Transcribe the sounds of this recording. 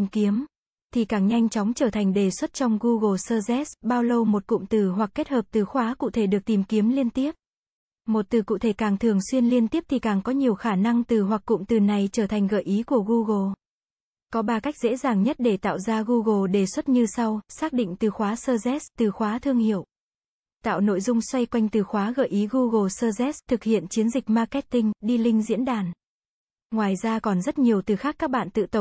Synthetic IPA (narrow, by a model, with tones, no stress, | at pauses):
i˨˩mki˨˦əm | t̪ʰi˨˩kaː˧˩ŋɲa˧jŋ̟t͡ɕɔ˨˦wŋ͡mt͡ɕəː˧˩t̪ʰa˨˩jŋ̟ɗe˨˩swə˦˥t̚t͡ɕɔ˧wŋ͡mɣu˧ɣo˨˩səː˧zɛ˦˥sɓaː˧wlə˧wmo˨˩t̚kʊ̰˧˨ŋ͡mt̪ɨ˨˩ɦwa˨˩k̚ːe˦˥t̚həː˨˩p̚t̪ɨ˨˩xwaː˨˦kṵ˧˥t̪ʰe˧˩ɗɨ˨˩ək̚t̪i˨˩mki˨˦əmli˧ənt̪i˦˥əp̚ | mo˨˩t̚t̪ɨ˨˩kṵ˧˨t̪ʰe˧˩kaː˨˩ŋt̪ʰɨ˨˩əŋswi˧ənli˧ənt̪i˦˥əp̚t̪ʰi˨˩kaː˨˩ŋkɔ˨˦ɲi˨˩əwxaː˧˩na˧ŋt̪ɨ˨˩ɦwa˨˩k̚kːʊ̰˧˨ŋ͡mt̪ɨ˨˩na˨˩jt͡ɕəː˧˩t̪ʰa˨˩jŋ̟ɣəː˧˩jʔi˨˦ku˧˩əɣu˧ɣo˧˩ | kɔ˨˦ɓaː˨˩ka˦˥k̚zḛ˧˥zaː˨˩ŋɲə˦˥t̚ɗe˧˩t̪a̰ː˧˨wzaː˧ɣu˧ɣo˧˩ɗe˧˩swə˦˥t̚ɲɨ˧sa˧wsaː˦˥k̚ɗḭ̈˧˨ŋ̟t̪ɨ˨˩xwaː˨˦səː˧zɛ˦˥st̪ɨ˨˩xwaː˨˦t̪ʰɨ˧əŋhḭ˧˨əw | t̪a̰ː˧˨wno̰˧˨jzʊ˧ŋ͡mswa˧jkwa˧jŋ̟t̪ɨ˨˩xwaː˨˦ɣə̰ː˧˩jʔi˨˦ɣu˧ɣo˨˩səː˧zɛ˦˥st̪ʰɨ˨˩k̚hḭ˧˨ənt͡ɕi˨˦ənzï˨˩k̟̚maː˧kɛ˦˥t̚t̪ï˧ŋ̟ɗi˧lï˧ŋ̟zḭ˧˥ənɗaː˨˩n | ŋwaː˨˩jzaː˧kɔ˨˩nzə˦˥t̚ɲi˨˩əwt̪ɨ˨˩xaː˦˥kːaː˦˥k̚ɓa̰ː˧˨nt̪ɨ̰˧˨t̪ə˨˩